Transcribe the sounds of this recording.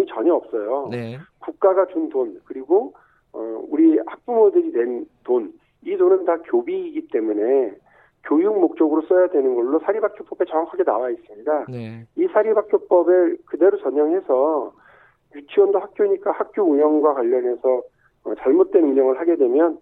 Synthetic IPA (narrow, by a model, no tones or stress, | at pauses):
mit͡ɕʌɲʌʌp̚s͈ʌjokuk̚k͈aɡat͡ɕundonkɯɾiɡo | ʌ̰uɾihak̚p͈umodɯɾinwe̞nton | idonɯntakjobiːɡit͈e̞mune̞ | kjojuŋmok̚t͡ɕ͈ʌɡɯɾos͈ʌjadwe̞nɯnɡʌɭːosʰaɾibak͈jop͈ʌbe̞t͡ɕʌŋakʰaɡe̞na̰wais͈ɯmɲidaisʰaɾibak͈jop͈ʌbekɯde̞ɾot͡ɕʌɲʌŋɦe̞sʰʌ | jut͡ɕʰiwʌndohak̚k͈joɲik͈ahak̚k͈jouɲʌŋɡwakwaʎːʌnɦe̞sʰʌː | t͡ɕaɭmot̚t͈we̞nuɲʌŋɯɭɦaɡe̞dwe̞mjʌn